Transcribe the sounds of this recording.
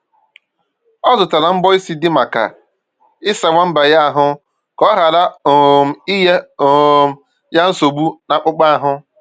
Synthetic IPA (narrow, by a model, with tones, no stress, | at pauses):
ɔ˦zʊ˨ta˨la˨m̩˦bɔ˦i˦si˦dɪ˦ma˨ka̰˨ | ɪ˦sa˨wʷa˦m̩˦ba˨ja˦a˨ɦʊ˦ | kɔ˦ɦa˨la˦o˨m̩˨i˦je˦o˨ | ja˦n̩˦so˨ɡ͡bu˦na˨k͡pʊ˦k͡pa˦a˨ɦʊ˦